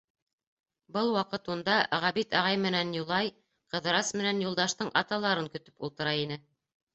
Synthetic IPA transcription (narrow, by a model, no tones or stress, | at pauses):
bɤlˠwɑqɤt̪und̪ɑʁæβit̪ɑʁɑjmɘ̆nænjulˠɑj | qɤ̆ðɤɾɑsmɘ̆nænjulˠd̪ɑʃt̪ɤɴʔɑt̪ɑlˠɑɾɤŋkɵ̆t̪ɵ̥pṵlˠt̪ɤ̆ɾɑinɘ